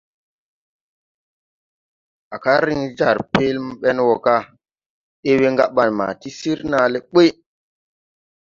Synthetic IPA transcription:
a˨ka˦ɾi˦ŋd͡ʒa˦˨ɾpe˦lm˦ɓɛ˦nwɔ˨ka˦ | ɗe˦we˦ŋɡa˦ɓa˨nma̰˨ti˦si˦ɾna˨le˦ɓe˦

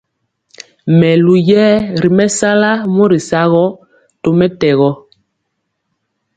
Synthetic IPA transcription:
mɛ˨lu˨jɛː˦ɾi˨mɛ˦sa˦la˦mɔ˦ɾi˨sa˦ɣɔ˦ | to˨mɛ˦tɛ˨ɣɔ˦

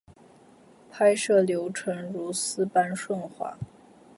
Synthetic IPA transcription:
pʰa˥ɪʂɤ˥˩ljo˧˥ʊʈ͡ʂʰə˧˥ŋɻu˧˥sɹ̩˥pa˥nʂwə˥˩nxwa̰˧˥

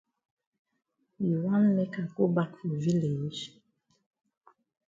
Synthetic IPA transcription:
ji˨wa˦nmɛ˦ka˨ko˦ba˦˨ku˨vi˦le˨˦d͡ʒ

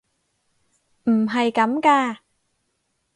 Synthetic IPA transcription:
ʔm̩˨˩ɦa˨˩jka˨˦˥mkaː˧

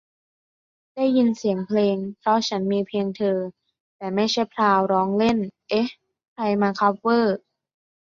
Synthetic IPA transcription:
da˥˩jːi˧nsi˩˦əŋpʰleː˧ŋpʰɾɔ˦˥t͡ɕʰa˦˥nmiː˧pʰleː˧ŋt̪ʰɤː˧ | t̪ɛː˨˩ma˥˩jt͡ɕʰa˥˩jpʰɾaː˧wɾɔː˦˥ŋle˥˩nʔe˦˥ | kʰa˧jmaː˧kʰa˦˥p̚wɤː˥˩

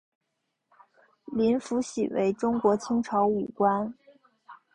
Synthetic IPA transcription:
li˧˥nfu˧˥ɕḭ˨˩wḛ˧˥ɪʈ͡ʂʊ˥ŋkwɔ˧˥t͡ɕʰi˥ŋʈ͡ʂʰɑ˧˥ʊu˨˩kwa˥n

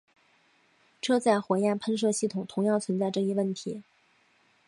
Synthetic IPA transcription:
ʈ͡ʂʰɤ˥t͡sa˥˩ɪxwɛ˧˥jɛ˥˩npʰə˥nʂ̬ɤ˥˧ɕi˥˩t̪ʰʊ˨˩ŋt̪ʰʊ˧˥ŋjɑ˥˩ŋt͡sʰwə˧˥nt͡sa˥˧ɪʈ͡ʂɤ˥˩i˧˥wə˥˩nt̪ʰi˧˥

